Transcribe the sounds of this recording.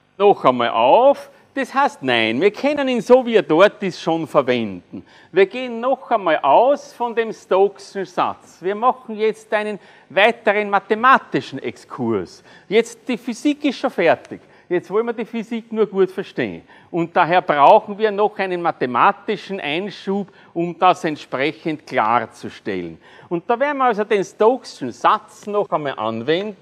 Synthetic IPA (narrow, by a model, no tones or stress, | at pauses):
nɔxæma̰ːlʔa̰ʊf | d̥eshæɪstnæ̰ɪnviːɐkʰɛnəniːnsoːviːɐdɔɐt̚disʃoːnfɛɐvɛ̃ndn̩ | viːɐɡ̥eːənːɔxæmaːlʔaʊsfɔndemstoksn̩sa̰t͡sviːɐmɑxŋ̩jɛt͡stæɪnən | væɪtəʁənmatemaːtɪʃn̩ʔɛ̰kskʰuɐs | jɛt͡st̚d̥ifysiːkɪstʃonfɛɐtɪk | jɛt͡stvɔlmɐdifysiknuːɐɡ̥uːətfɛɐʃtḛːn | ʔʊ̃nt̚d̥aɦeːɐb̥ʁaʊxn̩viːɐnɔxʔæɪnənmatemaːtɪʃn̩ʔæɪnʃuːp | ʊmd̥asɛntʃpʁɛçəntkʰla̰ːʁt͡suʃtɛ̰lən | ʊnt̚d̥aːvɛːɐn̩miɐalsodenstoksʃn̩sat͡snɔxəmaːʔã̰nvɛndn̩